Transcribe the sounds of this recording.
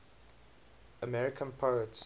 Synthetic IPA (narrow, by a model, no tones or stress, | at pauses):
əmɛɹɪkʰə̃npʰoʊəts